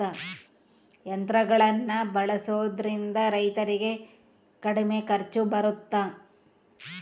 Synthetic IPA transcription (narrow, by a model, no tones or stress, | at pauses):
a | jɐnt̪ɾɐɡɐɭɐnːɐbɐɭɐsoːd̪ɐɾind̪ɐɾɐjt̪ɐɾiɡe̞ | kɐɽime̞kɐɾt͡ʃubɐɾut̪ːa